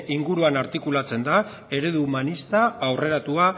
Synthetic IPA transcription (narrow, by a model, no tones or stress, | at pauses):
iŋɡuɾuanaɾt̪ikulat͡se̞nd̪a | e̞ɾeðuːmanist̪aːwre̞ɾat̪ua